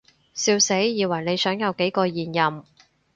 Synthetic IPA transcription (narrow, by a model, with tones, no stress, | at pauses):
siː˧wse˨˥jjiː˨˧wɐ˨˩jne˨˧jsœː˨˥ŋjɐ˨˧wke˨˥jkɔː˧jiː˨njɐ˨˩m